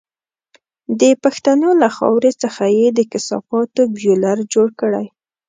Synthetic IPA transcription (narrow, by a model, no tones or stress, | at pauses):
d̪əpaxt̪anolaxɑ̰wɾet͡səxajed̪əkɪsɑ̰fɑt̪objolaɾd͡ʒoɽkəɽa̰j